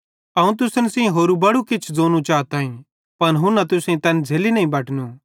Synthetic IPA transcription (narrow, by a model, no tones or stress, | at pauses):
ɐũt̪ʊsənsĩɦoːɾubɐɽukɪt͡ʃʰd͡zoːnũt͡ʃaːt̪aːĩ | pɐnɦʊ̃nɐt̪ʊsẽt̪ɛnd͡zʱeːlinɐɦĩbɐʈnũ